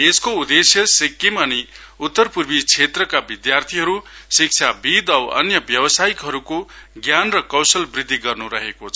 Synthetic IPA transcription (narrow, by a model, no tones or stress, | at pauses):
eskoud̪esjʌsikːimʌni | ut̪ːʌrpurbit͡sʰet̪rʌkabid̪jart̪ʰiɦʌɾusik̚t͡sʰabid̪ʌwʌ̰njʌbjʌbʌsaikɦʌɾukoɡjanrʌkʌwsʌlbrid̪ʱːiɡʌrnuɾʌɦekot͡sʰʌʌ